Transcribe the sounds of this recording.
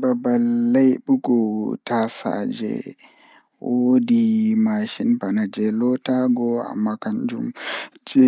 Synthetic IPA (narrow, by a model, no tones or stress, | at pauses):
babalːajɓuɡɔtasa̰d͡ʒɛ̰ | wodimaʃinpanad͡ʒɛlɔtaɡɔa̰mːakand͡ʒumd͡ʒɛ